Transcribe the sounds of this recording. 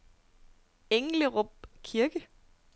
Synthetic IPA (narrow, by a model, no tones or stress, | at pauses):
eŋləʁɔb̥̚kʰiɐɡ̥ə